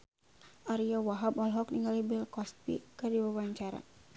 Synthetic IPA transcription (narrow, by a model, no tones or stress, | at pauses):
ʔaɾiawaɦabɔlɦɔk̚niŋalibilkɔst̪̚pḭkədiwawaɲt͡ʃaɾa̰